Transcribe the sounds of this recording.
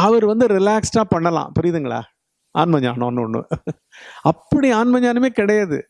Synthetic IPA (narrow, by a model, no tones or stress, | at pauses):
ɐʋɐɾʋɐnd̪ɯɾɪlaːksʈãːpɐɳːɐlã̰ːpʊɾɪjðɯŋɡɐɭa̰ː | ʔa̰ːnmɐɲa̰ːnõ̰ːnːɯɔnːɯ̰ | ɐpːɐɽiaːnmɐɲaːnɯmeːkɪɽɐjaːðɯ̰